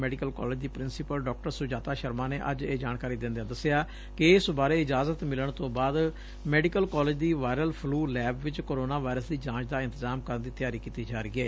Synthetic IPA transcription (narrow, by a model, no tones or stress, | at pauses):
mɛːɖɪkəlkɔ̰ːlɪːd͡ʒd̪iːpɾɪnsɪpəlɖɔːk̚ʈəɾsʊd͡ʒaːt̪aːʃəɾmaːneːʔə̰d͡ʒeːd͡ʒaːɳkaːɾiːd̪ɪ̃nd̪ɪaːd̪əsɪjaː | kɪɪsbaːɾeːɪd͡ʒaːzət̪mɪləɳ̃t̪õːbaːd̪ | mɛːɖɪkəlkɔːlɪd͡ʒd̪iːʋaːɪɾəlpʰluːlɛːbʋɪt͡ʃkoːɾoːnaːʋaːjɾəsd̪iːd͡ʒãːt͡ʃd̪aːɪ̃nt̪əzaːmkəɾənd̪iːt̪ɪjaːɾiːkiːt̪iːd͡ʒaːɾiːeː